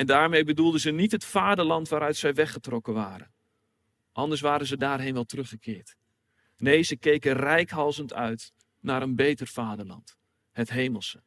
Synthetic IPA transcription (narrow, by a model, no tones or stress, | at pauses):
ɛndaːɹmejbədulˠdəzənitɦətfaːdəɹlɑntʋaːɾœɥtsɛjʋɛχətrɔkənʋaːɾə̰n | ʔɑndəɹs̬ʋaːɾənzədaːrɦejnʋɛlˠtərɵχəkʰɪːɹt | nejzəkejkənrɛjkɦɑlˠzəntʰœ̰ɥt | naːɾənbejtərfaːdəɹlɑ̰nt | hətɦejməlˠsə